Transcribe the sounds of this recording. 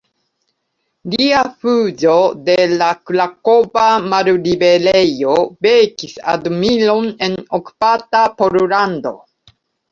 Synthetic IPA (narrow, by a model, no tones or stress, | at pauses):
liafud͡ʒo̞de̞laklako̞bamaɾɾibe̞lejo̞bekisa̰dumilo̞ne̞noku̥patapo̞ɾulando̞̰